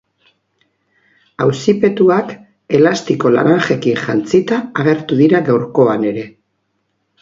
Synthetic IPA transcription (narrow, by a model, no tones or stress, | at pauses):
awsipe̞t̪uak | e̞last̪iko̞la̰ɾaŋʝe̞kiŋʝant͡sit̪aːɣe̞ɾt̪uðiɾaɣawɾko̞ane̞ɾe̞